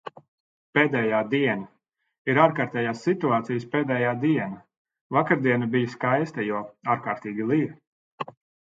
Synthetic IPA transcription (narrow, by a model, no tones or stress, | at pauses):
peːd̪ɛːjaːd̪iɛna | iɾaːɾkaːɾt̪ɛːjaːsːit̪uaːt̪sijəspeːd̪ɛːjaːd̪iɛna | vakaɾd̪iɛnabijskajst̪ajuɔaːɾkaːɾt̪iːɡʲilˠiɾ